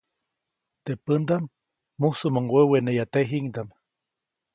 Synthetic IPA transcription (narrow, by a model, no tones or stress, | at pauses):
t̪epənd̪amː | usumoŋwewenejat̪eɦiŋd̪am